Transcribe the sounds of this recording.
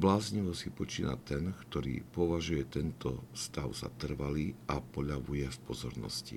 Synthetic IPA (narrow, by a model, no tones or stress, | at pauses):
blaːzɲiʋɔsipɔt͡ʃiːna̰t̪ɛnkt̪ɔɾḭːpɔʋaʒujɛt̪ɛnt̪ɔst̪aʊz̥a̰t̪r̩ʋaliːʔapɔʎaʋujɛfpɔzɔɾnɔ̰scḭ